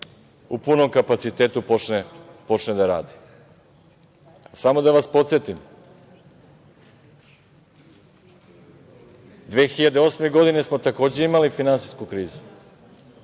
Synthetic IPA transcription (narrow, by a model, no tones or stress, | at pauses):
upuno̞mkapat̪sit̪eːt̪upot͡ʃnepo̞t͡ʃned̪aɾa̰ːd̪i̥ | asamo̞d̪aʋaspo̞t̪se̞t̪im | d̪ʋe̞ːxiʎad̪eo̞sme̞ɡo̞d̪ine̞smo̞t̪ako̞ːd͡ʑe̞imalifinansi̥skukɾiːzu̥